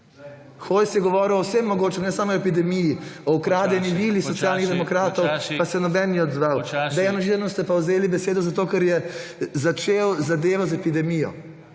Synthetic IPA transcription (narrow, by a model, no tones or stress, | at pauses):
xoːjsjɛɡɔʋɔːɾiwɔwsemːɔɡoːt͡ʃɛmnɛsaːmɔepid̪ɛmijiɔukɾaːd̪ɛniʋilixsɔt̪sjaːlniɣd̪ɛmɔkɾaːt̪ɔwpasɛnɔbɛniɔd̪zʋawd̪ɛjanɔʒiɾanɔst̪ɛpawzeːlibɛseːd̪ɔzat̪oːkɛɾjɛzat͡ʃeːwzad̪eːʋɔzɛpid̪ɛmijɔ̰